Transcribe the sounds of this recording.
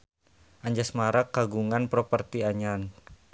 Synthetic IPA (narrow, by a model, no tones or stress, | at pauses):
ʔaɲd͡ʒasmaɾak̚ːaɡuŋanpɾopərt̪iaɲan